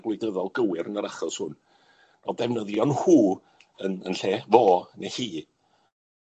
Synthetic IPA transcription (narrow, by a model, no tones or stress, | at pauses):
ɡwlˠɪdəðɔlˠɡəwɪɾənəɾaχɔshʊn | nɔdɛvnəðjɔnhuː | ənənɬeːvɔːnehiː